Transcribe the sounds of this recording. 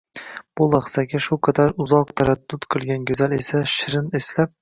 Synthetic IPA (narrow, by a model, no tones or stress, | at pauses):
b̥ulˠɑχsaɡʲaʃʊqʰɑd̪aɾʊzɒqt̪ʰaɾad̪̥ːʊt̪qʰɨlˠɡʲanɡʲɵzalesaʃɪɾɪneslap̚